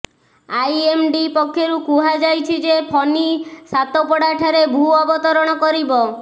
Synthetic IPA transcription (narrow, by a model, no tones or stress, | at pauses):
ajemɖipɔkʰːjoɾukuɦad͡ʒajt͡ʃʰid͡ʒepʰɔnisat̪opɔɽaʈʰaɾebʱuɔbɔt̪ɔɾɔɽ̃ɔkɔɾibɔ